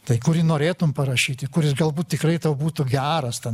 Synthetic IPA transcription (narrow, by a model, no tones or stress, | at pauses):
t̪ɐɪkʊɾʲɪnoːɾʲeːt̪ʊmpɐrɐʃʲiːt̪ʲɪkʊɾʲɪsɡɐlˠbuːt̪̚t̪ʲɪkrɐɪt̪ɐʊbuːt̪ʊɡʲæːɾɐst̪ʲɛn